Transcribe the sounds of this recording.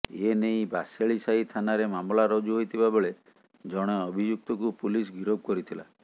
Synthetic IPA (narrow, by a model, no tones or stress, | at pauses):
enej̃baseɭisait̪ʰanaɾemamlaɾɔd͡ʒuɦojt̪ʰibabeɭe | d͡ʒɔɽ̃eɔbʱid͡ʒuk̚t̪ɔkupulis̬ɡiɾob̚kɔɾit̪ʰila̰